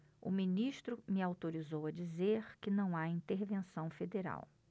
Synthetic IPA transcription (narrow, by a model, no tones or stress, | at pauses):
ʊ̰mĩniʃt̪ɾʊmɪawt̪oɾizowɐd͡ʒizeɾkɪnɐ̃w̃aĩt̪eɾvẽsɐ̃w̃fed̪eɾa̰w